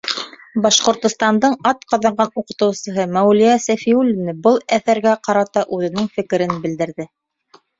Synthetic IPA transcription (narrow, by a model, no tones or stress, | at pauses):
bɑʃqŏɾt̪ŏst̪ɑnd̪ɤɴɑt̪qɑðɑɴɢɑnuqɤ̆t̪ɤ̆wsɤ̆ɦɤmæwlijæsæfiulʲinɘbɤlˠæθæɾɡæqɑɾɑt̪ɑʔʉðɘ̆nɘŋfɘ̆kɘ̆ɾɘnbɘ̆ld̪ɘ̆ɾðɘ